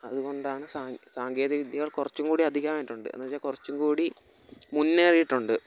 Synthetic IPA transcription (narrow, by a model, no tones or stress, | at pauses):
ɐðuɣo̞ɳɖaːɳɨsaːŋsaːŋɡe̞ːðɐʋid̪ʱjɐɣɐɭkurɐt͡ɕːuŋkuːɽiɐd̪ʱiɣɐmaːjiʈːuɳɖɨ̰nːɐʋɐjaːkurɐt͡ɕːuŋkuːɽi | munːeːrijiʈːuɳɖɨ